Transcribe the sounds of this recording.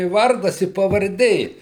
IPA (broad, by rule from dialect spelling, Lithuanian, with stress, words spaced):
ɪ ˈʋɐrdɐs ɪ pɐʋɐrʲˈdʲeː